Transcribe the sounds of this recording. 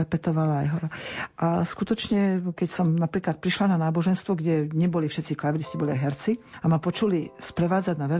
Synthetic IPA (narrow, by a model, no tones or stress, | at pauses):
ɛpɛt̪ɔʋalaːjɦɔɾaʔaskut̪ɔt͡ʃɲɛkɛcsɔmnapɾiːklat̪̚pɾiʃlananaːbɔʒɛnst̪ʋɔɡɟɛɲɛbɔlifʃɛt̪t͡siklaʋidiscɛbɔliajɦɛɾt͡siamapɔt͡ʃulispɾɛʋaːd͡zaɟnaʋɛ